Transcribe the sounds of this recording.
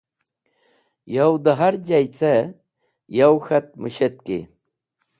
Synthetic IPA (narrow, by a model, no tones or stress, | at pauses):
jawd̪ɐɦɐɾd͡ʑajt͡se | jawxɐt̪̚muɕet̪̚kḭ